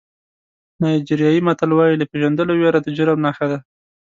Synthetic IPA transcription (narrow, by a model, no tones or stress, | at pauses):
nɑjd͡ʒiɾjɑjimat̪alwɑjilapeʒand̪əlowjaɾad̪əd͡ʒʊɾamnaxad̪a